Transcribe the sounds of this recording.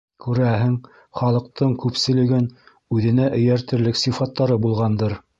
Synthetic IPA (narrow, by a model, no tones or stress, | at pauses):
kʉɾæɦɘŋ | χɑlˠɤ̆q̚t̪ɤɴkʉpsɘ̆lɘ̆ɡɘn | ʉðɘ̆næʔɵ̆jæɾt̪ɘ̆ɾlɘksifɑt̪ːɑɾɤbulˠʁɑnd̪ɤɾ